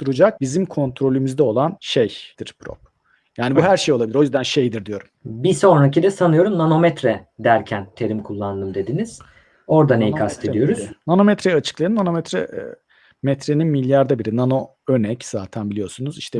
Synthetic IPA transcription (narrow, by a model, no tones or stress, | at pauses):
t̪uɾud͡ʒak̚bizimkʰo̞nt̪ʰɾo̞lʲymyzd̪ɛo̞lˠanʃejd̪̥iɾ̥pʰɾo̰p̚ | jaːnibuɦæɾʃejolˠabilʲiɾojyzd̪ænʃe̞jd̪iɾd̪ijo̞ɾumbiso̞nɾacid̪ɛsanɯjo̞ɾumnano̞mɛt̪ɾɛd̪æɾcʰænt̪ʰe̞ɾimkʰulˠːand̪ɯmd̪e̞d̪iniz̥ | o̞ɾd̪anejikʰast̪ʰe̞ijo̞ɾuz̥nanomɛt̪ɾɛat͡ʃʰɯ̥klˠaɯnːano̞mɛt̪ɾɛ̰ | mɛt̪ɾe̞ninmilʲjaɾd̪abiɾinano̞ | ønɛcz̥aːt̪ʰænbilʲijo̞sunuziʃt̪ʰɛ